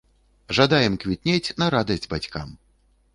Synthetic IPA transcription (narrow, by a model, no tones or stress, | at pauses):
ʐad̪ajɛmkvʲit̪̚ʲnʲet͡sʲnɐɾad̪ɐsʲdʲbat͡sʲka̰m